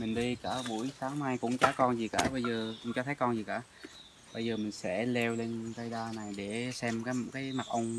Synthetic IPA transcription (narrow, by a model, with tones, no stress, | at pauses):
mï˨˩ŋ̟ɗi˧kaː˧˩ɓu˧˩əjsaː˨˦ŋmaː˧jkʊ̰˧˥ŋ͡mt͡ɕɔː˧˦kɔ˧nzi˨˩ka̰ː˧˩ɓə˧jzəː˨˩˧t͡ɕɔ˧t̪ʰə˨˦jkɔ˧nzi˨˩ka̰ː˧˥˨ | ɓə˧jzəː˨˩mï˨˩ŋ̟sɛ̰˧˥lɛ˧wle˧nkə˧jɗaː˧na˨˩jɗe˧˩sɛ˧mkaː˨˦jkaː˨˦jma˨˩k̚ʔə˧wŋ͡m